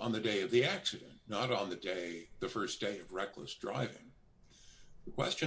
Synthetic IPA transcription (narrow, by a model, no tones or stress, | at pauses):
n̩ðɨdeɪʌvðiæksɨɾɨ̰̃nnəɾn̩ðɨdeɪðɨfɜ˞sd̥eɪʌvɹɛklə̰sdɹa̰ɪvɪ̰̃ŋ | ðəkʰw̥ɛ̰st͡ʃɨ̃